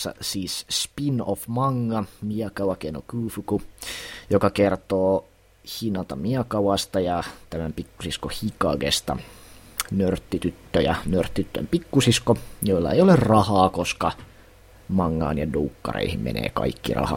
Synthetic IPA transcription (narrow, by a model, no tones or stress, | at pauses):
sːɑ̰siːsspinofmɑŋːɑmiɑkɑwɑkeno̰kʉːfukujokɑkert̪oː | hinɑt̪ɑmiɑkɑwɑst̪ɑjɑt̪æmæmpikːusiskohikɑɡest̪ɑ̰ | nørt̪ːit̪yt̪ːøjɑnørt̪ːiyt̪ːø̰mpikːusiskojoilːɑ̰ḛjolerrɑhɑːkoskɑ | mɑŋːɑ̰ːnjɑduːkːɑ̰rḛihimmḛnḛːkɑ̰ikːirɑ̰hɑ̰